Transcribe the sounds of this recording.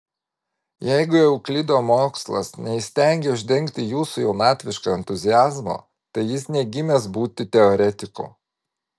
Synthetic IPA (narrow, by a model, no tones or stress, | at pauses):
jɛɪɡʊjɛʊklʲɪd̪oːmoːkslˠɐ̰snʲɛɪsʲt̪ʲæˑŋʲɡʲɛʊʒʲd̪ʲɛŋʲkt̪ʲɪjuːsʊjɛʊnɑːt̪ʲʋʲɪʃkoːɛnʲt̪ʊzʲɪjæːzmo̰ː | t̪ɐɪjɪsnʲɛɡʲɪmʲɛsbuːt̪ʲɪt̪ʲɛoːɾʲɛt̪ʲɪko̰ː